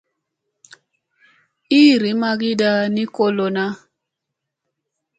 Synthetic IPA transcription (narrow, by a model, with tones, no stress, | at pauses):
i˦˨ɾi˨˦ma˦ɡi˦da˦ni˦ko˦lo˨na˦